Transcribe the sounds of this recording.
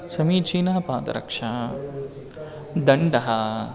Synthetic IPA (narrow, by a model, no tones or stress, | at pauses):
sɐmiːt͡ʃiːnɐɦɐpaːd̪ɐ̰ɾɐ̰kʂaː | d̪ɐɳɖɐɦɐ